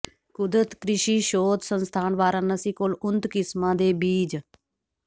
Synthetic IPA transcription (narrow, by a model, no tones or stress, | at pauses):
kʊd̪ɾət̪kɾɪʃiːʃoːd̪sənst̪ʰaːnʋaːɾãːnəsiːkoːlʊnt̪kɪsmãːd̪eːbiːd͡ʒ